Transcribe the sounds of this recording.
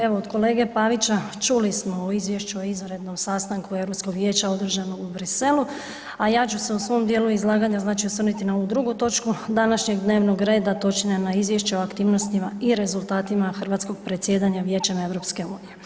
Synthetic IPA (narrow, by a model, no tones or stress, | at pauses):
e̞ʋo̞od̪ko̞le̞ːɡe̞paʋit͡ʃa | t͡ʃulismo̞oizʋjeʃt͡ʃuoizɾe̞d̪no̞msaːst̪aŋkue̞vɾo̞psko̞ɡʋje̞ːt͡ɕao̞d̪r̩ʒano̞ɡubɾise̞lu | ajaːt͡ʃuse̞usʋo̞md̪jeːluizlˠaːɡaɲaznaːt͡ʃiosʋr̩nit̪inaoud̪ɾuɡut̪o̞t͡ʃkud̪anaʃɲeɡd̪ne̞ːʋno̞ɡɾe̞ːd̪at̪o̞t͡ʃinenaizʋje̞ʃt͡ɕeoakt̪iːʋnost̪imaiɾe̞zulˠt̪aːt̪imaxrʋaːt̪sko̞ɡ̥pɾe̞t̪sje̞ːd̪aɲaʋje̞ːt͡ʃeme̞ʋɾo̞pske̞uːnije̞